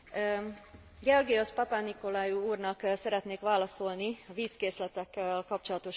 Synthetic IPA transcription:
ɡɛorɡiospɒpaniko̞laːjuuːrnɒksɛɾɛt̪neːkʋaːlɒso̞lniɒviːskeːslɛt̪ɛkːɛlkɒp̚t͡ʃo̞lɒt̪o̞ʃ

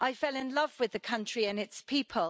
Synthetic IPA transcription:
ʔaɪfɛlɪ̃nlʌvwɪðəkʰʌ̃nt͡ʃɹ̥iə̃nɪtspʰiˑpʰəl

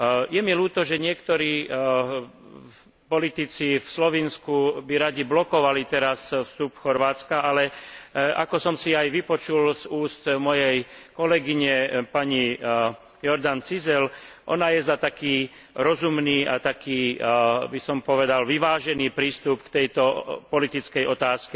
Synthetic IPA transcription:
jɛmiluːt̪ɔʒɛɲɪɛkt̪ɔɾiː | pɔlit̪it͡sifslɔʋinskubiɾaɟiblɔkɔʋalit̪ɛɾasfst̪upxɔɾʋaːt͡skaʔalɛʔa̰kɔsɔmsiajʋipɔt͡ʃulzuːst̪mɔjɛjkɔlɛɡiɲɛpaɲi | jɔɾd̪ant͡sizɛlʔɔ̰najɛzat̪akiː | ɾɔzumniːʔat̪akiːbisɔmpɔʋɛd̪alʋiʋaːʒɛniːpɾiːst̪upkt̪ɛjt̪ɔpɔlit̪it͡skɛjʔɔt̪aːskɛ

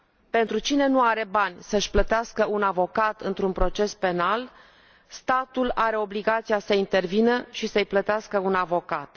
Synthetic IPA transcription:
pe̞nt̪ɾut͡ʃine̞nuaɾe̞banʲsəʃʲplət̪easkəunavo̞kat̪ɨnt̪ɾunpɾo̞t͡ʃe̞spe̞nal | st̪at̪ulaɾe̞o̞bliɡat̪sijasəint̪e̞rvinəʃisəjplət̪easkəunavo̞kat̪

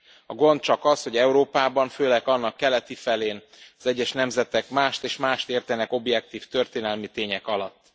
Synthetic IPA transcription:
ɒɡo̞nt̪̚t͡ʃɒkɒsho̞ɟɛuɾoːpaːbɒɱføːlɛkɒnːɒkːɛlɛt̪ifɛleːn | ɒzɛɟːɛʃnɛmzɛt̪ɛkmaːʃt̪eːʃmaːʃt̪eːrt̪ɛnɛko̞bjɛk̚t̪iːft̪ø̞rt̪eːnɛlmit̪eːɲɛkɒlɒt̪ː

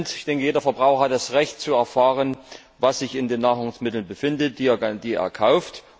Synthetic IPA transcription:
ntɪçd̥ɛŋkəjeːdɐfɛɐbʁaʊxɐhat̚d̥asʁɛçt̚t͡suɛɐfaːʁən | vasz̥ɪçɪndeːnːaːʁʊŋsmɪtl̩nbəfɪndət̚d̥iːd̥iːḛːɐkʰaʊft

